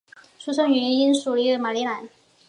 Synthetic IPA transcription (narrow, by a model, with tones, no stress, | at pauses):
ʂu˥ʂɤ˥ŋɥɛ˧˥ɛ˧˥ni˥nʂu˨˩li˧˥d̪ə˨˩ma˨˩li˧˥la˧˥˦n